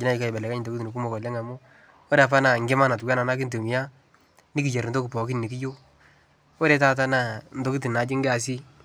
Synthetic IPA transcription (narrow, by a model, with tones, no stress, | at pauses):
ɪ˦na˦i˦ka˨bɛ˨lɛ˨ka˦ɲɪ˨do˦ki˦ti˨ni˨k̬u˦mɔ˨kɔ˨lja˦ŋa˨mu˦ | ɔ˦ɾp̬a˦na˨ŋɡɪ˦ma˦na˨tu˨ɡa˦na˨na˦k̬i˦n˦to˨mi˨ja˦ | ni˦ki˨d͡ʒe˨ɾn̩do˦kɪ˨pɔ˨ki˦nni˨ki˦d͡ʒo˦ | wɔ˦ɾe˨˦ta˦t̬a˦na˨n̩˨do˦ki˦t̬i˨na˨d͡ʒɪ˦ŋ˦ɡa˨s̬i˦